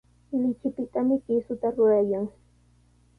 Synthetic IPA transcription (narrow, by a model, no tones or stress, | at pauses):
lɪt͡ʃɪpɪt̪amɪkɪsʊt̪aɾʊɾajaŋ